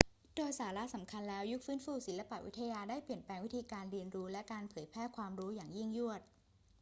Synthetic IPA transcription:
doː˧jsaː˩˦la˦˥sa˩˦mkʰa˧nlɛː˦˥wju˦˥k̚fɯː˦˥nfuː˥˩si˨˩˦nla˧pa˨ʔwʔi˦˥t̪ʰa˧jaː˧daː˥˩jpli˨˩ənpɛː˧ŋwi˦˥t̪ʰiː˧kaː˧nɾi˧ənɾuː˦˥lɛ˦˥kaː˧npʰɤː˩˦jpʰɾɛː˥˩kʰwaː˧mɾuː˦˥jaː˨˩ŋji˥˩ŋju˥˩ət̪̚

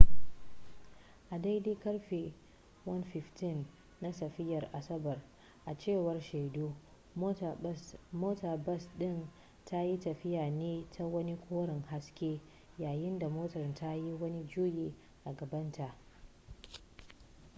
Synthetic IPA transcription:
ʔa˨da˦jdeː˦kɐ˦ɽɸe˨ | wɐ˦nɸɪ˨ɸtɪ˦˨nː | a˦sɐ˨ɸɪ˦jɐ˨rʔa˨sɐ˦bɐ˨r | ʔa˨t͡ʃeː˦˨wɐ˦rʃe˨jdoː˦ | moː˦ta˨bɐ˦sɗɪ˦˨n | tʰa˦ji˦tɐ˨ɸɪ˦jaː˨neː˦tʰa˦wɐ˦ni˦kʷʰoː˦ɽɪ˨ŋha˦skʲeː˦ | jaː˨jɪ˦nda˨moː˦tɐ˨rtʰa˦ji˦wɐ˦ni˦d͡ʒuː˦jeː˨ | ʔa˨ɡɐ˨bɐ˦ntʰa˨ʔ

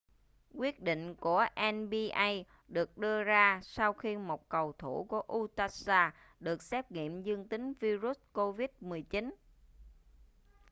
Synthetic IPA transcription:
kwi˦˥ət̚ɗḭ˧˨ŋ̟ku˧˩əʔɛ˧nɓi˧ʔa˧j | ɗɨ˨˩ək̚ɗɨ˧əzaː˧sa˧wxi˧mo˨˩t̚kə˨˩wt̪ʰu˧˩ku˧˩əʔu˧t̪aː˧saː˧ | ɗɨ˨˩ək̚sɛ˦˥p̚ŋḭ˧˨əmzɨ˧əŋt̪ï˨˦ŋ̟vi˧zu˦˥t̚ko˧vi˦˥t̚mɨ˨˩əjt͡ɕi˨˦n

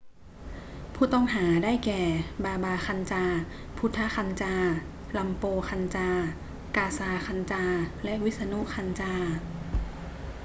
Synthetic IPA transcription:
pʰuː˧˩t̪ɔ˥˩ŋɦaː˩˦daː˥˩jkɛː˨˩baː˧baː˧xa˧nt͡ɕaː˧ | pʰu˦˥t̪ʰːa˦˥xa˧nt͡ɕaː˧ | la˧mpoː˧xʰa˧nt͡ɕaː˧ | kaː˧saː˧kʰa˧nt͡ɕaː˧lɛ˦˥ʔwi˦˥t̪̚sa˧nu˦˥kʰa˧nt͡ɕaː˧

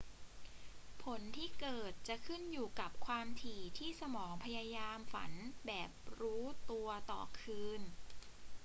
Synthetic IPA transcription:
pʰo˩˦nt̪ʰiː˥˩kɤː˨˩t̪̚t͡ɕa˨˩kʰɯ˥˩njuː˨˩ka˨˩p̚kʰwaː˧mt̪ʰiː˨˩t̪ʰiː˥˩sa˧mɔː˩˦ŋpʰa˧jaː˧jaː˧mfa̰˩˦nbɛː˨˩p̚ɾuː˦˥t̪u˧ɐt̪ɔ̰ː˨˩kʰɯː˧n

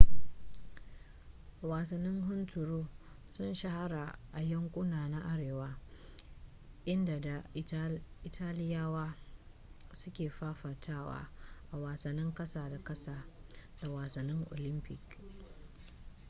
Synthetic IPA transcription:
waː˨sɐ˨nːɪ˦ŋɦʊ˦ntʊ˨ɾoː˦ | sʊ˦nʃa˦ha˦ɾaː˨ʔa˨jɐ˦ŋkʷʼʊ˦naː˨na˦ʔa˦ɽeː˨waː˦ | ʔɪ˦nda˨da˨ | ʔɪ˨tʰaː˦lɪ˦jaː˦waː˦ | sʊ˦kʲeː˨ɸaː˦ɸa˨tʰaː˦wa̰ː˦ʔa˨waː˨sɐ˨nːɪ˦ŋkʼɐ˦saː˨da˨kɐ˦saː˨da˨waː˨sɐ˨nːɪ˦ŋʔo̰˨lɪ˦mpɪ˨k

